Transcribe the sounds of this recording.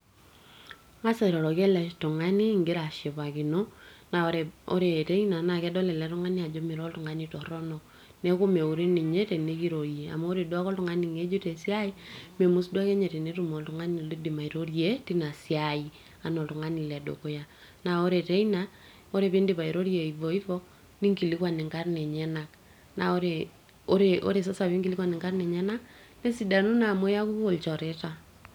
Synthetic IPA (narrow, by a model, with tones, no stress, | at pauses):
ŋa˦se˦ɾɔ˨ɾɔ˨ke˦lɛ˨tu˨ŋa˦ni˦ŋɡɪ˦ɾa˨ʃe˨pa˨ki˨no˦na˨ɾe˨o̰˦ɾe˨te˦i˦na˨na˨kɛ˦dɔ˦le˨lɛ˦tʊ˦ŋa˦ni˦a˨d͡ʒo˦mɪ˨ɾɔ˦ltu˨ŋa˦ni˦tɔ˨ɾɔ˦nɔ˨ | ne˦ko˦me˨u˨ɾe˦ni˨ɲe˦te˨ne˦ki˦ɾo˨ɾje˨a̰˨ma˦o˦ɾe˨dwa˦kɔ˦ltʊ˦ŋa˦ni˨ŋe˦d͡ʒu˦te˨sja˦i˦me˨mu˦sdwa˦ke˦ɲe˨te˨ne˦tu˨mo˨ltu˦ŋa˦ni˨li˦di˨ma˨i˨ɾo˦ɾje˦ti˦na˨si˦ai˦ | a˨nɔ˨lu˨ŋa˦ni˨lɛ˨do̰˨ko˦ja˦ | na˨o˦ɾe˨te˦i˦na˦ | o˦ɾe˨pi˦ndi˦pa˨i˨ɾo˦ɾje˨i˨vo˨i˦vɔ˦ | ni˦ŋki˨li˦kwa˨ni˨ŋka˦rne˨ɲɛ˦na˨k̚ | na˨o˦ɾe˨ | o˦ɾe˨ʔo̰˦ɾe˨s̬ɔ˦sa˨βi˦ŋɡi˨li˦kwa˨ni˨ŋka˦rne˨ɲɛ˦na˦k | ne˦si˨da˨nu˦na˨mo˦ja˦ku˦o˨lt͡ʃɔ˨ɾe˦ta˨